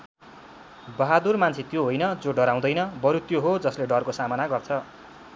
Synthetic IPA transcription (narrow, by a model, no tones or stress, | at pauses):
bʌɦad̪urmant͡sʰit̪joɦojnʌd͡zoɖʌɾaw̃d̪ʌjnʌbʌɾut̪joɦod͡zʌsleɖʌrkosamʌnaɡʌrt͡sʰʌ